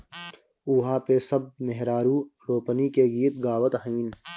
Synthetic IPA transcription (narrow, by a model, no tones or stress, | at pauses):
ʊɦaːpesɐb̚meɦɾaːɾuːɾoːpənikeɡiːt̪ɡaːwət̪ɦiːn